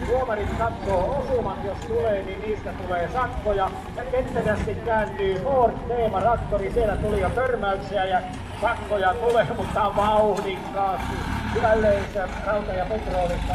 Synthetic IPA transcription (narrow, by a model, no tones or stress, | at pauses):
huomɑrit̪kɑt̪ːoːosumɑt̪jost̪uleːninniːst̪æt̪uleːsɑkːojɑ | jɑket̪ːæsæst̪ikkæːnt̪yːhoːrt̪t̪eːmɑrɑkt̪orisielæt̪ulijɑp̪ørmæykseæjæ | sɑkːojɑt̪uleːmut̪ːɑʋɑuhniŋkːɑːst̪ihʋælːeːnserɑut̪ɑjɑpet̪roːlit̪ːɑ